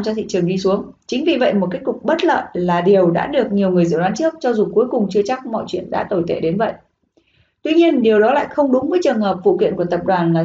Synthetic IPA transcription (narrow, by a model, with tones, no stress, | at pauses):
t͡ɕɔ˧t̪ʰḭ˧˨t͡ɕɨ˨˩əŋɗi˧su˨˦əŋ | t͡ɕï˨˦ŋ̟vi˨˩və̰˧˨jmo˨˩t̚ke˦˥t̚kʊ˨˩k͡p̚ɓə˦˥t̚lə̰ː˧˨nlaː˨˩ɗi˨˩əwɗa̰ː˧˥ɗɨ˨˩ək̚ɲi˨˩əwŋɨ˨˩əjzɨ̰˧˩waː˨˦nt͡ɕɨ˦˥ək̚t͡ɕɔ˧zu˨˩ku˨˦əjkʊ˨˩ŋ͡mt͡ɕɨ˧ət͡ɕa˦˥k̚mɔ̰˧˨jt͡ɕwḭ˧˨ənɗa̰ː˧˥t̪o˧˩jt̪ḛ˧˩ɗe˨˦nvə̰˧˨jʔ | t̪wi˧ɲi˧ənɗi˨˩əwɗɔ˨˦la̰ː˧˨jxə˧wŋ͡mɗʊ˨˦ŋ͡mvəː˨˦jt͡ɕɨ˨˩əŋhəː˨˩p̚vṵ˧˨kwḭ˧˨nku˧˩ət̪ə˨˩p̚ɗwaː˨˩nlaː˨˩